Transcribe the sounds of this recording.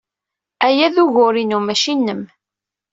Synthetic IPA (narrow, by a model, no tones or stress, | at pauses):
æjæðuʝʊɾinumæʃinːəm